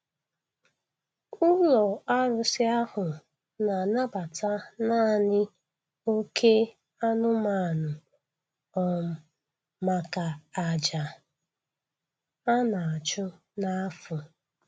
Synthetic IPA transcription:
ʊ˦lɔ˨a˦ɾʊ˦sɪ˦a˦hʊ˨ | na˨na˦ba˨tʰa˦na˦˨ɲɪ˦ | o˦kʰe˦ | a˦nʊ˦ma˨nʊ˨ | ɔ˨m̩˦ | ma˦ka˨a˨d͡ʒa˨ | a˦na˨a˨t͡ʃʊ˦ | na˦a˦fʊ˨

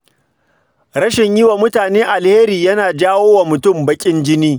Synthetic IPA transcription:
ɾɐ˦ʃɪ˨ɲjɪ˦wa˨mʊ˦taː˨neː˦ʔa˨lheː˦ɾiː˨jɐ˦naː˨d͡ʒaː˦woː˦wa˨mʊ˨tʊ˦˨mbɐ˦kʲʼɪ˦nd͡ʒɪ˦niː˦

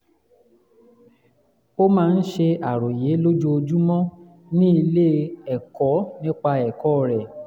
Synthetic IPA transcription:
o˦mãː˦˧n̩˦ʃe˧a˨ɾo˨je˨˦lo˦d͡ʒu˦o˧d͡ʒu˦mɔ̃˦ | nĩ˦i˧le˦ɛ˨kɔ˨˦nĩ˦k͡pa˧ɛ˨kɔ˦˨ɾɛ˨

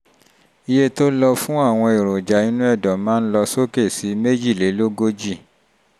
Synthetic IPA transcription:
i˧je˦to˦lɔ˧fũ˦a˦˨w̃ɔ̃˧e˨ɾ̃o˨d͡ʒa˨nĩ˦nũ˦ɛ˦˨dɔ̃˨˦mãː˦n̩˦lɔ˧so˦ke˦˨si˨˦me˦d͡ʒi˦˨le˨˦lo˦ɡo˦d͡ʒi˦˨

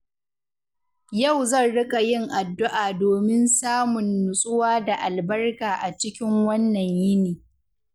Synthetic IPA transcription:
jɐ˦˨wzɐ˦˨nɽɪ˦kʼa˨jɪ˦ŋʔa˨dːʊ˦ʔaː˨doː˨mɪ˦nsaː˦mʊ˨nːʊ˨sʼʊ˦waː˦da˨ʔa˨lbɐ˦rkaː˨ʔa˨t͡ʃɪ˦kʲɪ˦ŋwɐ˦nːɐ˨ɲjɪ˦niː˨

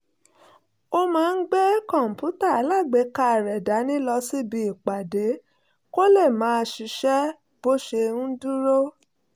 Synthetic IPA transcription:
o˦mãː˦˧n̩˦ɡ͡be˦kɔ̃˦˨m̩˨pu˨˦ta˦˨a˨˦la˦˨ɡ͡be˨˦ka˦˨ɾɛ˨da˨˦nĩ˦lɔ˧si˦bi˧i˨k͡pa˨de˨˦ | ko˦le˦˨mãː˨˦˧ʃi˨˧˦ʃɛ˦ | b̥o˦ʃe˧nũ˦du˦ɾo˦

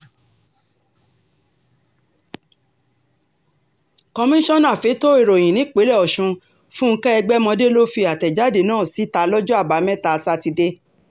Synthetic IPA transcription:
kɔ˧mĩ˦ʃɔ̃˦nã˦˨fe˨˦to˦i˦˨ɾo˨j̃ĩ˨nĩ˨˦k͡pe˨˦lɛ˦˨ɔ˨ʃũ˧ | fũ˦ŋ̩˧kɛ˦ɛ˧ɡ͡bɛ˦mɔ̃˧de˦lo˦fi˧a˨tɛ˨d͡ʒa˦de˨nãː˦˨si˨˦ta˧lɔ˦d͡ʒɔ˦a˦˨ba˨˦mɛ̃˦ta˧˨˧sa˦˧ti˧de˦

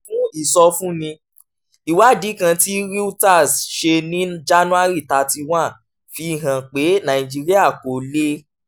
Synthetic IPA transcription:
fũ˦i˦˨sɔ˧fũ˦nĩ˧ | i˨wa˨˦˨di˨˦kã˧ti˦ɾi˦u˦ta˦˨sʃe˧nĩ˦d͡ʒa˦nũ˦a˦ɾi˦˨ta˧ti˧w̃ã˦˨ | fi˧˦i˦˨ɦã˨k͡pe˨˦nã˨ĩ˨d͡ʒi˦ɾi˦a˦˨ko˨le˦

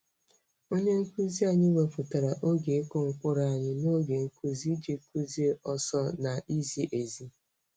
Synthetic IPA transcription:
o˦ɲe˦ŋ̩˦ku˦zi˦a˨ɲɪ˦we˨fu˨ta˨ɾa˨ʔo˦ɡe˨e˦ko˦ŋ̩˦kʷʊ˦ɾa˨a˨ɲɪ˦no˦ɡe˨ŋ̩˦ku˦zi˦d͡ʒi˨ku˦zi˦e˦ʔɔ˨sɔ˦na˨ʔi˦zi˦ʔe˨zi˦

